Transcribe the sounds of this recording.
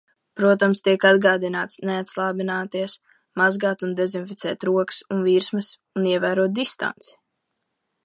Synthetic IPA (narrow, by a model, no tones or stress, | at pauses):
pɾuɔt̪amst̪iɛkad̪ɡaːd̪inaːt̪sneat̪slˠaːbinaːt̪iɛs | mazɡaːt̪und̪ɛzinfit̪sɛːt̪ɾuɔksunviːɾsmɨs | uniɛvæːɾuɔt̪̚d̪ist̪a̰nt̪si̥